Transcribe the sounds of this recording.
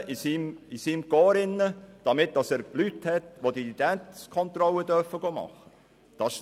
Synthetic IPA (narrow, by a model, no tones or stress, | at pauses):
ʔisimisimɡoːɾɪnːəd̥ɑmɪt̚d̥ɑsɛːɾb̥lythɛtʋodiidæntkʰɔnt̪rɔlːədœrfəɡomɑ̰χːə̥ | d̥ɑs